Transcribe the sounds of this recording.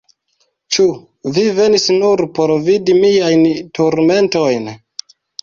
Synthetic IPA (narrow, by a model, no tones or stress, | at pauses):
t͡ʃu | vive̞nisnuɾpo̞ɾvidimijajntuɾme̞nto̞jn